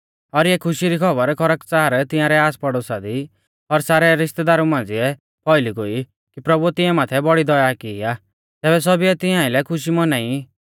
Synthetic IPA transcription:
ɔɾjɛkʰʊʃiɾikʰɔbəɾkʰɔɾəkt͡saːɾt̪ɪ̃jãɾɛaːspɔɽosad̪i | ɔɾsaːɾɛɾɪʃt̪ɛd̪aːɾumãːnd͡zɪɛ | pʰɔɪliɡoi | kipɾɔbuɛt̪ɪ̃ɛ̃maːt̪ʰɛbɔɽid̪ɔjakɪa | t̪ɛːbɛs̬ɔbiɛt̪ɪãːɪlɛkʰʊʃ̬imɔnai

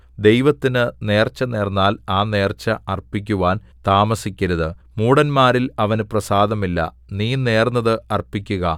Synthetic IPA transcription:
d̪e̞jʋɐt̪ːinɨne̞ːrt͡ɕːɐne̞ːrnːaːlaːne̞ːrt͡ɕːɐʔɐrpik̬ʲːuʋaːn | t̪aːmɐsikʲːɐɾɐðɨ | muːɽɐnmaːɾilɐʋɐnɨprɐsaːd̪ɐmilːɐ̰ | niːne̞ːrnːɐðɨʔɐrpːikʲːuɣɐ

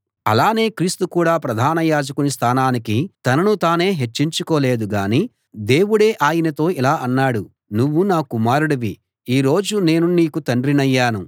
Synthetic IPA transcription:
ɐ̰laːne̞ːkɾiːst̪ukuːɽaːpɾɐd̪ʱaːnɐjaːd͡ʒɐkunist̪ʰaːnaːnikit̪ɐnɐnut̪aːne̞ːɦe̞t͡ʃːiɲt͡ʃukoːle̞ːd̪uɡaːniː | d̪e̞ːwuɽe̞ːʔaːjinɐt̪o̞ːilaːʔɐnːaːɽu | nuʋːunaːkumaːɾuɽɐʋi | iːɾo̞ːd͡ʒune̞ːnuniːkut̪ɐɳɖɾinɐjːaːnu

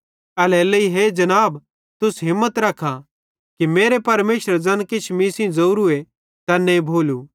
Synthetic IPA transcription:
ɐleːleiɦeːd͡ʒɐnaːb | t̪ʊsɦɪmːət̪ɾɐkʰːa | kimeːɾepɐɾmeːsəɾd͡ʒɐnkɪt͡ʃʰmisĩzɐuɾue | t̪ɐnːebʱoːlu

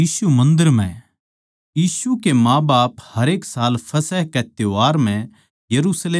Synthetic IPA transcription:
iːsumɐ̃nd̪əɾmɛ̰̃ | jiːsukemãːbaːphɐɾeːksaːlpʰɐsɛɦkɛt̪eaːɾmɛ̃ | jɐɾuːsleː

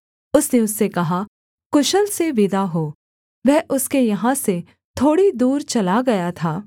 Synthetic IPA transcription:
ʊsneʊsːekɐɦa | kʊʃəlseʋɪd̪aɦoː | ʋɛɦːʔʊskejɐɦãse | t̪ʰoːɽid̪uːɾt͡ʃɐlaɡɐjat̪ʰaː

